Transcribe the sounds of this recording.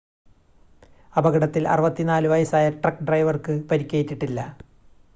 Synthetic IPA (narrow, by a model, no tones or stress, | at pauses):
ɐbɐɣɐɽɐt̪ːilɐ̰rɨʋɐt̪ːinaːlɨʋɐjɐsaːjɐʈrɐkːɖrɐjʋɐrkɨpɐɾikʲːejitːiʈːilːɐ